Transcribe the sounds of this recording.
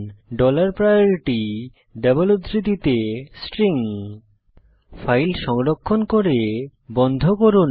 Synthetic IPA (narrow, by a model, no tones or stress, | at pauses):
ɖɔlaɾpɾajoɾiʈi | ɖɛboluɾit̪it̪esʈɾiŋ | fajlʃɔŋɾokʰːonkoɾebɔnd̪ʱokoɾun